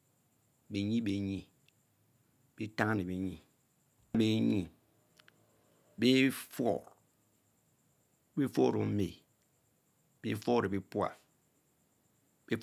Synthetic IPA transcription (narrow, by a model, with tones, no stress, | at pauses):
be˨ɲi˦be˨ɲi˦ | b̥e˦ta˦ŋa˦ne˨be˨ɲi˨ | be˦ɲi˦˨ | be˦fɔ̰˦˨ɾ | be˦fo˦˨ɾo˨m̩˦me˨ | be˦fo˦˨ɾe˨be˦pwa̰˦˨f | b̥e˦